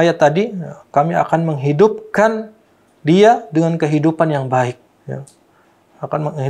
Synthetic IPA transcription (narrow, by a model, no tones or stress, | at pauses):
ajat̪ːadikamia̰kanməŋɦidʊp̚kan | diadəŋankəɦidupanjaŋbaɪk̚ | ja̰ | akanmə